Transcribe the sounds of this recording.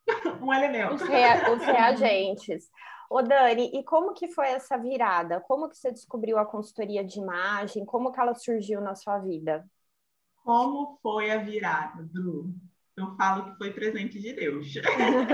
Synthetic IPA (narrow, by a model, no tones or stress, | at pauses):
ũelemẽnʊheʊsheaʒẽt͡ʃɪsod̪ɐ̃nɪʔɪkõmʊkɪfojɛsɐviɾad̪ɐkõmʊkɪ̥sed͡ʒɪskubɾiwɐkõsu̥t̪oɾiɐd͡ʒɪimaʒẽj̃kõmʊkɪɛlɐsuɾʒiwnɐsuɐvid̪ɐ | kõmʊfojɐviɾad̪ɐd̪u | ewfalʊkɪ̥fojpɾezẽnt͡ʃɪd͡ʒɪd̪ewʃ